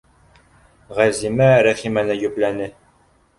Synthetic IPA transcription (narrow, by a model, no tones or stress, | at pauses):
ʁæzimæɾæχimænɘjʉplænɘ